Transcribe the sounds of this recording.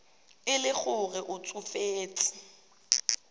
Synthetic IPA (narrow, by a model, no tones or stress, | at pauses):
ɪlɪk͡xʊɣɛʔʊt͡sʼʊfeːt͡sʼɪ̥